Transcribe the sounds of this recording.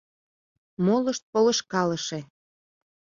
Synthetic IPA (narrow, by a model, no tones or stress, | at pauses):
moləʃt̪̚poleʃkɑləʃe